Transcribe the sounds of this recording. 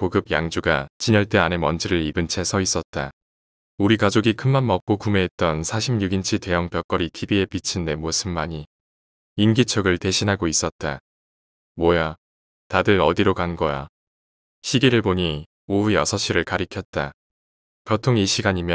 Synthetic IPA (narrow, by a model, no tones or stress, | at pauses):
poɡɯb̚jaŋd͡ʑuɡat͡ɕiɲʌɭt͈e̞anemʌnd͡ʑʰiɾɯɾibɯnt͡ɕʰe̞sʰʌis͈ʌt̚t͈a | uɾikad͡ʑoɡikʰɯnmanmʌp̚k͈okume̞ːt̚t͈ʌnsʰaɕʰimɲuɡint͡ɕʰite̞jʌŋpjʌk͈ʌɾitʰibie̞pit͡ɕʰinːe̞mosʰɯmːaɲi | imɡit͡ɕʰʌɡɯɭte̞ɕʰinɦaɡois͈ʌt̚t͈a | mwʌja | tadɯɾʌdiɾokanɡʌja̰ | ɕʰiɡiɾɯɭpoɲi | oujʌ̰sʰʌɕ͈iɾɯɭkaɾikʰjʌt̚t͈a | pjʌtʰoŋiɕʰiɡaɲimjʌ